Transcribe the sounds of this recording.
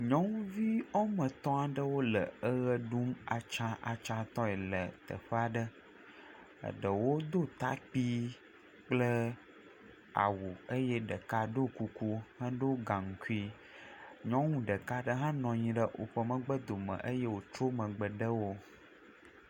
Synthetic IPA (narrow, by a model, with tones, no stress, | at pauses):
ɲɔ̃˦ŋ˦vi˦ɔ˦mə̃˨t̪ɔ̃˦a˨ɖə˦wo˦lə̰˨ə˦ɣə˦ɖu˦ma˨t͡ʃã˦ʔa̰˨t͡ʃã˦t̪ɔ̃˦ɛ˨lə̰˨t̪ə̰˨ɸə˦a˨ɖə˦ | ə̰˨ɖə˨wo˦d̪o˦t̪a̰˦k͡pi˦ | k͡plə˦ | a̰˨wu˨ə˦jɛ˦ɖə˨ka˦ɖo˦ku˦ku˦hə̃˦ɖo˦ɡã˨ŋ̩˨ku˦i˦ | ɲɔ̃˦ŋũ˦ɖə˨ka˦ɖə˦ɦã˦nɔ̃˨ɲĩ˨ɖə˦ʔo̰˨ɸə˨mə̃˨ɡ͡bə˦d̪o˨mə̰̃˨ʔə˦je˦wo˨t͡ʃo˦mə̃˨ɡ͡bə˨ɖə˦wo˦